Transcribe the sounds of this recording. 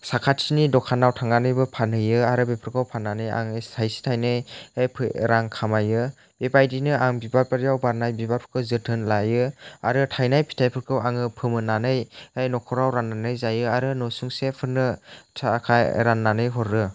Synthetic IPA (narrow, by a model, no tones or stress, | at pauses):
sakʰatsinidɔkʰanːawtʰaŋanɯjbɯpʰanɯjɯaɾɯbepʰɾkʰɯwpʰanːanɯja̰ŋestʰajsi̥tʰajnɯjejpʰɯɾaŋkʰamajɯ | bebajdinɯʔaŋbibapaɾjawbaɾnajbibapʰɯ̥ɾkʰɯwzɯtʰɯnlajɯaɾɯtʰajnajpʰi̥tʰajpʰɯɾkʰɯwaŋɯpʰɯmɯnanɯjejnɔkʰɔɾawɾanːanɯjzajɯaɾɯnɔsuŋsepʰɯɾnɯtʰakʰajɾanːanɯjɦɔɾɯ